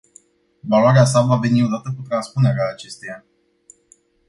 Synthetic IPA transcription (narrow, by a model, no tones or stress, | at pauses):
valoaɾeas̬avave̞nio̞d̪at̪əkut̪ɾanspune̞ɾeaːt͡ʃe̞st̪e̞ja